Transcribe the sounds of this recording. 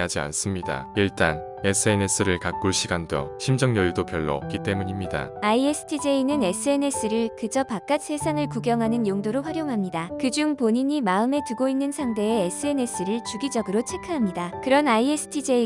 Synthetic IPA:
ad͡ʑia̰ns͈ɯmɲida̰iɭt͈a̰n | e̞s͈ʰɯe̞ne̞s͈ʰɯɾɯɭkak̚k͈uɭɕʰiɡandʌ̰ɕʰimd͡ʑʌŋjʌjudopjʌɭːʌ̰ʌ̰p̚k͈it͈e̞muɲimɲida̰aiesʰɯ̥tʰid͡ʑe̞inɯne̞s͈ʰɯe̞ne̞s͈ʰɯɾɯɭkɯd͡ʑʌpak͈at̚s͈ʰesʰaŋɯɭkuɡjʌŋɦanɯnjoŋdoɾoɸwaɾjoŋɦamɲidakɯd͡ʑuŋpoɲiɲimaɯme̞tɯɡoinːɯnsʰaŋde̞ːes͈ʰɯe̞ne̞s͈ʰɯɾɯɭt͡ɕuɡid͡ʑʌɡɯɾot͡ɕʰe̞kʰɯɦamɲidakɯɾʌnaiesʰɯ̥tʰid͡ʑe̞i

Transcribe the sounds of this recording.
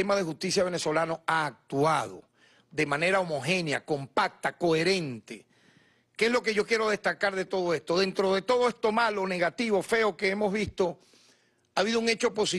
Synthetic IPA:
emaðe̞xust̪isjaβene̞so̞lanoaːk̚t̪uað̞o̞̰ | ðe̞mãne̞ɾaomo̞xe̞nja̰ko̞mpak̚t̪ako̞e̞ɾe̞nt̪e | keesloke̞ʝo̞kje̞ɾo̞ð̞e̞st̪akaɾðe̞t̪o̞ð̞o̞e̞st̪o̞ðe̞nt̪ɾoðe̞t̪o̞ðoest̪o̞malo̞ne̞ɣat̪iβo̞fe̞o̞ke̞emo̞zβist̪o̞ | aːβiðouŋe̞t͡ʃo̞po̞si

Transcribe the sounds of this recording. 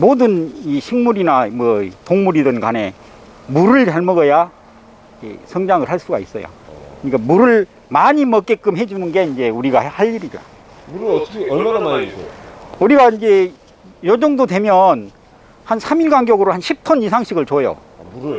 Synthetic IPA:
modɯniɕʰiŋmuɾinamwʌtoŋmuɾidɯnɡane̞ | muɾɯɭt͡ɕaɭmʌɡʌja | ḛsʰʌŋd͡ʑaŋɯɭhaɭs͈uɡa̰ḭs͈ʌjo̰kɯɲik͈amuɾɯɭ | maɲimʌk͈e̞k͈ɯmɦe̞d͡ʑunɯnɡe̞ind͡ʑe̞uɾiɡahaʎːiɾiɡa̰ | ɾʌmanamaisuɾiɡaind͡ʑe̞ | jʌd͡ʑoŋdodwe̞mjʌn | hansʰamiɭɡaŋɡjʌɡɯɾohanɕʰip̚tʰʌnisʰaŋɕʰiɡɯɭt͡ɕojo̰

